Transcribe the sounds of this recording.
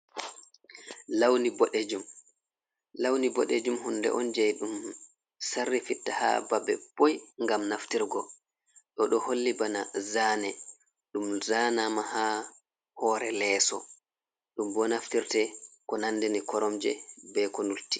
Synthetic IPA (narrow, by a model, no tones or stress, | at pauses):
lawnibɔɗed͡ʒum | lawnibɔɗed͡ʒumhunːdɛ̰ʔɔnd͡ʒɛjɗum | sarːifitːaha̰babɛ̰pojŋɡamnaftiɾɡɔ | ɗɔɗɔholːibanazaːnɛ | ɗumzaːnamaha | hɔːɾɛlɛːsɔ̰ | ɗumbɔnaftiɾtɛkɔnandɛnikɔɾɔmd͡ʒɛ̰bɛkɔnulti̥